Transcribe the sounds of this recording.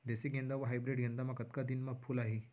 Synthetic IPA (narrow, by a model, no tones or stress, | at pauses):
d̪eseɡẽnd̪aʋəɦajbɾeɖɡend̪amakət̪kad̪inmapʰulaɦe